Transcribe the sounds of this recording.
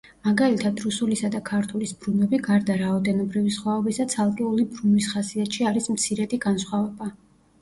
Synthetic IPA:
maɡalit̪ʰad̪ɾusulisad̪akʰaɾt̪ʰulisb̥ɾunɛbiɡaɾd̪aɾaɔd̪ɛnɔbɾivisχwaɔbisat̪sʰalˠkʼɛulibɾunwisχasiat̪ʃiaɾismt̪sʰiɾɛd̪iɡansχwavɛba

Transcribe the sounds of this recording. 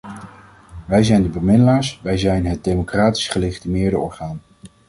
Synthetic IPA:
ʋɛjzɛjndəbəmɪdəlaːɹsʋɛjzɛjnɦət̚dejmokraːti̥sχəleχitimɪːɹdəɔɹχaːn

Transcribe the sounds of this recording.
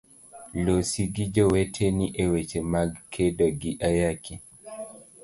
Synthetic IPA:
losiɡid͡ʒɔwetʰeniʔewet͡ʃemaɡkʰedɔɡiʔajakʰi

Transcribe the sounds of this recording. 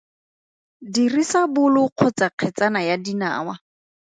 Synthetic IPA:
dirisabʊlʊq͡χʰʊt͡saq͡χʰɛt͡sanajadina̰ːwa

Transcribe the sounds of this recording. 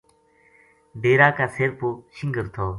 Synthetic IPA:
ɖeːɾaːkaːseːɾpuːʃɪŋɡəɾt̪ʰoː

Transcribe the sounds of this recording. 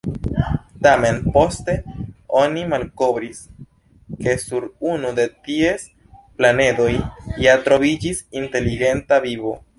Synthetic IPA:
tame̞npo̞ste̞o̞nimalko̞bɾis | ke̞suɾunude̞tie̞s | plane̞do̞jjatɾo̞vid͡ʒisinte̞liɡe̞ntavibo̞

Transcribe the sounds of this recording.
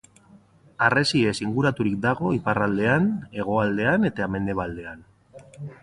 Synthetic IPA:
are̞sie̞siŋɡuɾat̪uɾik̚d̪aɣ̞o̞iparald̪e̞ane̞ɣ̞o̞ald̪e̞ane̞t̪ame̞nd̪e̞βald̪e̞an

